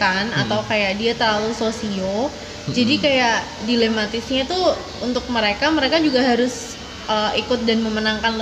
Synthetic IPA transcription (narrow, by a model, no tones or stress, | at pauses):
kanat̪awkajaʔdiat̪ərlalusosio | d͡ʒadikajaʔ | dilemat̪ɪsɲat̪u | unt̪ʊk̚məɾekaməɾekad͡ʒuɡaɦaɾʊs | əikʊt̪̚danməmənaŋkanl